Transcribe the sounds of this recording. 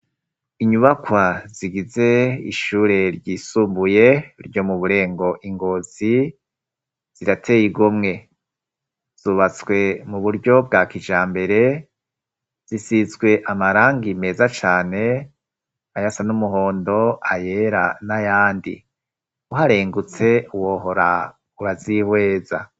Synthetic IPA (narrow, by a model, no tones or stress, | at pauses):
iɲuβakwaziɡize̞ḭʃuːɾe̞ɾɟiːsuːmbuje̞ɾɟo̞muβuɾe̞ːŋɡo̞ʔiŋɡo̞zi | z̥iɾatʰe̞jiɡumŋe̞ | z̥uːβat͡swe̞muβuɾɟo̞b̚ɡaːkid͡ʒaːmbe̞ɾe̞ | z̥isizɡwe̞ʔamaɾaːŋɡime̞ːzat͡ʃaːne̞ | ajasanumuɦoːndo̞aje̞ɾanajaːndḭ | uɦaɾeːŋɡut͡se̞uwo̞ɦo̞ɾa | uβazihwe̞ːza